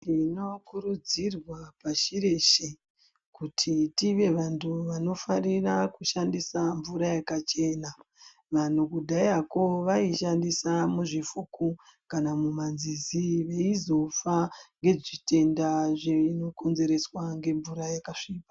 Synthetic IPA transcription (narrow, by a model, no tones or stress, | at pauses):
ino̞kuɾud͡zirwapaʃiɾe̞ʃe | kutʰitiʋe̞ʋantʰuʋano̞farirakuʃandisaɱvuɾajakat͡ʃe̞na | ʋan̤ukudʱaiako̞ʋaiʃandisamuʐifukukanamumanziziʋe̞izo̞faŋɡe̞ʐite̞ndaʐeino̞ko̞nze̞ɾe̞swaŋɡe̞ɱvuɾajakaʂiːpa